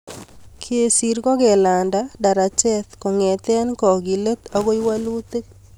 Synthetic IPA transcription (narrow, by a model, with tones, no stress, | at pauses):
kʰe˦˨si˨ɾkɔ˦ɡɛ˨la˨nda˦da˨ɾa˨t͡ʃɛ˦t̪kɔ˨ŋɛ˨t̪ɛ˦nkɔ˨ɡi˨lə˦t̪a˦ɡo˦i˦wa˦lu˦t̪e˦